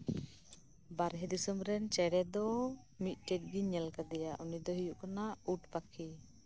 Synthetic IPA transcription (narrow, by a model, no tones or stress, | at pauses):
baɾɦɛd̪isəmɾɛnt͡ʃɛɽɛd̪ɔ | mit̪̚ˀʈɛt̚ɡiɲɛlkad̪ɛjaʔunid̪ɔɦijuʔkanauʈpakʰi